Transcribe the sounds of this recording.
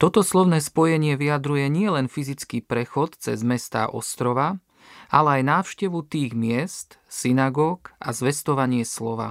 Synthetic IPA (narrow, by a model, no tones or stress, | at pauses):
t̪ɔt̪ɔslɔʊnɛːspɔjɛɲɪɛʋiad̪ɾujɛɲɪɛlɛnfizit͡skiːpɾɛxɔt̪t͡sɛ̰zmɛst̪a̰ːʔɔ̰st̪ɾɔʋa | ʔa̰lɛajnaːʊʃcɛʋut̪iːɣmɪɛst̪sinaɡɔːka̰zʋɛst̪ɔʋaɲɪɛslɔʋa̰